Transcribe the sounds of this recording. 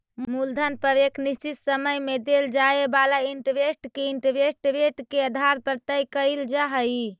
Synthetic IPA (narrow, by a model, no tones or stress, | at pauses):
muld̪ʱənpəʋekʰnist͡ʃit̪səməjmed̪eld͡ʒaebalaiɳʈʋesʈkeiɳʈʋesʈʋeʈkeəd̪ʱaɾpəɾt̪əjkəjld͡ʒaɦəj